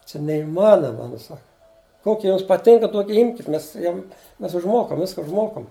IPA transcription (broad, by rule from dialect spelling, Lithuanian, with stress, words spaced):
t͡ʃʲɛ nʲɛɪˈmɑːnoːmɐ nʊ ˈsɑːkɐ ˈkoːkʲɪ ˈjʊms pɐˈtʲɪŋkɐ ˈtuɔkʲɪ ˈɪmʲkʲɪt ˈmʲɛs ˈjʊm ˈmʲɛs ʊʒˈmoːkɐm ˈʋʲɪskɐ ʊʒˈmoːkɐm